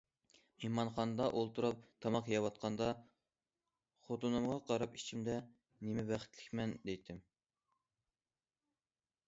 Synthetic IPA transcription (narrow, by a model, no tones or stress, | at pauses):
imɑnχɑnɨd̪ɑʔolˠt̪uɾɑp̚t̪ʰɑmɑqjɑwɑt̪̚qʰɑnd̪ɑ | χot̪unɨmʁɑqʰɑɾɑpi̥t͡ʃʰimd̪ɛ | nemɛbæχɪ̥t̪ʰlɪ̥kʲmɛnd̪ejt̪ʰɪm